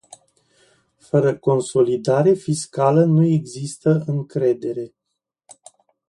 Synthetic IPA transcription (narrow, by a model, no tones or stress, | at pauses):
fəɾəko̞nso̞lid̪aɾefiskalənue̞ɡzist̪əɨŋkɾe̞d̪e̞ɾe̞